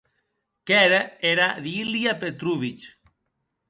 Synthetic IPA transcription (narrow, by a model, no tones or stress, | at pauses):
kɛɾeeɾaðiliapet̪ɾuβit͡ʃ